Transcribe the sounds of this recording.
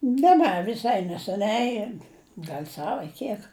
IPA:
nʲɛ ˈnʲɛ ʋʲɪˈsɐɪ nʲɛsʲɛˈnʲɛɪ ˈɡɐlʲ ˈsɐw ɐ ˈkʲiɛk

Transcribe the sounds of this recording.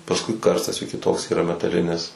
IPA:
pɐsˈkʊɪ ˈkɐrstɐs juː kʲɪˈtoːks iːˈrɐ mʲɛtɐˈlʲɪnʲɪs

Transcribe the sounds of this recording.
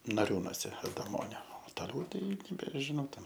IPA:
nɐˈrʲuːnoːsʲɛ ɐdɐˈmoːnʲoː oː toːˈlʲɛʊ ˈtɐɪ nʲɛbʲɛʒʲɪˈnɐʊ tʲɛn

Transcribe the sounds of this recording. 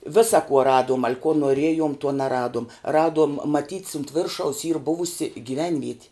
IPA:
ˈʋʲɪsɐ kuɔ ˈrɑːduɔm ɐlʲ kuɔ noːˈrʲiɛjoːm tuɔ nʲɛˈrɑːduɔm ˈrɑːduɔm mɐˈtʲiːtʲs ʊnt ˈʋʲɪrʃɐʊs iːr ˈbʊʋʊsʲɪ ɡʲiːˈʋʲɛnʲʋʲiɛtʲɪ

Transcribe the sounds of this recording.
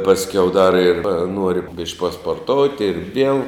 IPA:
pɐsʲˈkʲɛʊ dɐr ɪr ˈnuɔrʲɪ bʲɪʃʲkʲ pɐspoːrˈtoːʊtʲɪ ɪr ʋʲiɛlˠ

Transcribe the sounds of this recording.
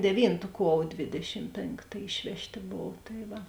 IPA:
dʲɛˈʋʲiːntʊ ˈkuɔw ˈdʲʋʲeːdʲɛʃʲɪm ˈpʲeːŋktɐ ˈɪʃʲʋʲɛʃʲˌtʲeː ˈboːw tɐɪ ˈʋɐ

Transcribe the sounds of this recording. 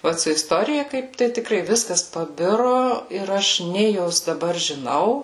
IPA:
ˈoːt sʊ ɪsˈtoːrʲɪjɛ ˈkɐɪp tɐɪ tʲɪˈkrɐɪ ˈʋʲɪskɐs pɐˈbʲɪrʊ ˈɪr ɐʃ ˈnʲeː joːs dɐˈbɐr ʒʲɪˈnɐʊ

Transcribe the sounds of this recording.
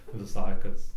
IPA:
ʋʲɪˈsɐɪ ˈkɐs

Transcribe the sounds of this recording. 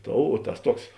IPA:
ˈtoːʊ oː ˈtɐs ˈtuɔks

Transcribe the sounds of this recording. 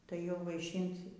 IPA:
tɐɪ jɛʊ ʋɐɪˈʃʲiːnt

